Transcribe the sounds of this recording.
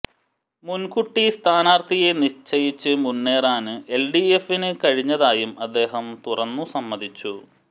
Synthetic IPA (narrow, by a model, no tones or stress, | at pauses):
munkuʈːist̪ʰaːnaːrt̪ʰije̞niɕt͡ɕɐjit͡ɕːɨmunːe̞ːraːnɨʔelɖiefinɨkɐɻiɲːɐðaːjumɐd̪ːe̞ːɦɐmt̪urɐnːusɐmːɐd̪ʱit͡ɕːu